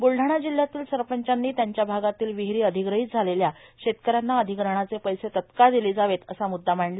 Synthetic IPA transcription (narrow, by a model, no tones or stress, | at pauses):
bulɖʱaɳ̃ad͡ʑil̤ːjat̪iːlsəɾpəɲt͡ɕanːiːt̪jaɲt͡ɕjabʱaɡat̪iːlʋiɦɾiːəd̪ʱiɡɾəɦiːt͡sd͡zʱaleljaɕet̪kəɾanːaəd̪ʱikɾəɳ̃at͡sepəjset̪ət̪kad̪iliːd͡zaʋet̪əsamud̪ʱːamaɳla